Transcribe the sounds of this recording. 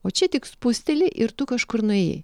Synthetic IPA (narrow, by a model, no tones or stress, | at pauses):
oːt͡ʃʲɛt̪ʲɪkspʊsʲt̪ʲɛlʲɪʔɪɾt̪ʊkɐʃkʊɾnʊɛːj̰